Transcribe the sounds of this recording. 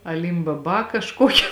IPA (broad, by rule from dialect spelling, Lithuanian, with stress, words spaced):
ɐˌlʲɪmbɐˈbɐ kɐʃˈkoːkʲɪ